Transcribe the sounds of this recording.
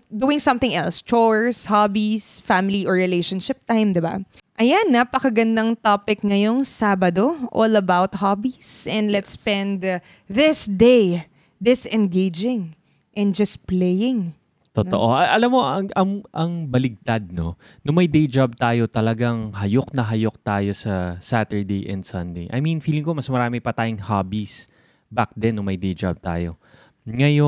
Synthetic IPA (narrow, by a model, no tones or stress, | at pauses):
d̪uɪ̃ŋsɐ̃mθɪ̃ŋɛ̰lst͡ʃoɹshabisfamɪliʔoɹɪlejʃɐnʃɪp̚t̪ãjmd̪ɛba̰ʔɐjanːɐpɐkɐɡɐnd̪ɐŋt̪opɪk̚ŋɐjoŋsabɐd̪oʔolɐbawt̪̚habisʔɛ̃nd̪lɛt̪spɛ̃nd̪ | ðɪsd̪ej | d̪ɪsɛ̃nɡejd͡ʒɪ̃ŋ | ʔɛ̃nd͡ʒɐs̚plɛjɪ̃ŋ | t̪ot̪oʔoʔɐʔɐlamːo̞ʔɐŋɐŋʔɐŋbɐlɪɡ̚t̪ad̪̚no̞ | noŋmɐjd̪ejd͡ʒab̚t̪aːjo̞t̪ɐlɐɡaŋɦɐjok̚nɐɦɐjok̚t̪aːjo̞sɐsat̪ɛɹd̪ejʔɛ̰̃nd̪sɐ̃nd̪ejʔɐ̰jmĩnfiːlɪŋko̞mɐsmɐɾaːmɪpɐt̪aːjoŋhabis | bak̚d̪ɛnːʊŋmɐjd̪ejd͡ʒa̰b̚t̪a̰ːjo̞̰ | ŋɐjo